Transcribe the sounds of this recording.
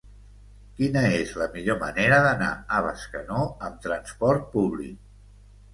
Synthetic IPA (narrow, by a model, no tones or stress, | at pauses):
kinəezləmiʎoməneɾəðəna̰əβ̞ə̰skənoəmt̪ɾənspɔɾt̪̚puβlḭk̚